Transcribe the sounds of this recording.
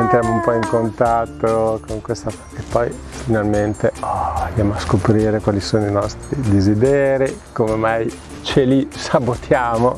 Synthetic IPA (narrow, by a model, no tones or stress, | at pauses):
ent̪ɾjamoumpɔiŋkont̪at̪ːokoŋkwest̪a | epːɔjfinalment̪eɔand̪jamoaskopɾiːɾekwalisoːnoinɔst̪ɾid̪ezid̪ɛːɾikomemaj | t͡ʃelisabot̪jaːmo